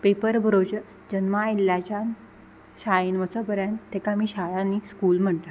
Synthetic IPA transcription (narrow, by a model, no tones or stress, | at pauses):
pepəɾbʱəɾot͡ɕə | d͡ʑənmailːjat͡ɕan | ɕainʋət͡səpəɾjant̪ekamiːɕaɭaniskuːlm̤əɳt̪a